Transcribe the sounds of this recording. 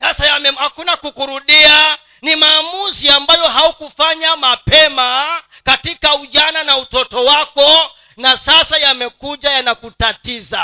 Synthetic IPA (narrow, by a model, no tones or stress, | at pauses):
sasajamɛhakunakukuɾuɗia | nimaːmuziambajɔɦaukufaɲamapɛma | katikauʄananautɔtɔwakɔ | nasasajamɛkuʄajanakutatiza